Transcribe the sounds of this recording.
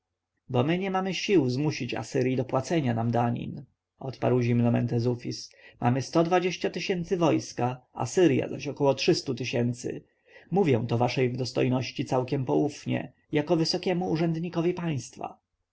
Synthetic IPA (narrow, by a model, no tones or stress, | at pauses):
bɔmɘɲɛmamɘɕiwzmuɕit͡ɕa̰sɘɾʲjid̪ɔpwat̪sɛɲanamd̪aɲḭn | ɔt̪pa̰ɾwʑimnɔmɛnt̪ɛzufʲismʔa̰mɘst̪ɔd̪vad͡ʑeɕt͡ɕat̪ɘɕɛnt̪sɘvɔjskaa̰sɘɾja̰zaɕɔkɔwɔtʂɘst̪ut̪ɘɕɛnt̪sɘ̰ | muvʲjɛ̃w̃t̪ɔvaʂɛjvd̪ɔst̪ɔjnɔɕt͡ɕit̪sawkʲɛmpɔufɲɛ̰ | jakɔvɘsɔkʲɛmuːʐɛnd̪ɲikɔvʲipaj̃st̪fa̰